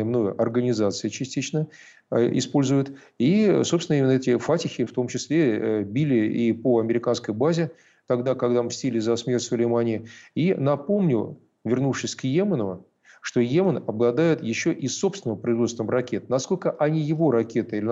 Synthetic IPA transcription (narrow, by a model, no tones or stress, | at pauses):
mnojəɐrɡənʲɪzat̪sɨɪt͡ɕɪsʲtʲit͡ɕnə | ɪ̰spo̞lʲzʊjʊt̪ | isopsʲɪnimʲɪnəɛtʲɪfatʲɪxʲɪft̪o̞mt͡ɕɪsʲlʲebʲilʲɪipoɐmʲɪɾʲɪkanskəjbazʲɪ | t̪ɐɡd̪akɐɡd̪amsʲtʲilʲɪzɐsmʲe̞rtʲsʊlʲɪjmanʲɪɪinɐpo̞mnʲʊ | vʲɪrnufʂɨsʲkjemənʊ | ʂt̪o̞jemənɐblˠɐd̪ajɪt̪jɪɕːoʔisːo̞psvʲɪnəvəpɾəɪzvost̪vəmrɐkʲe̞t̪nɐsko̞lʲkəʔɐnʲijɪvo̞ɾɐkʲe̞t̪əilʲɪ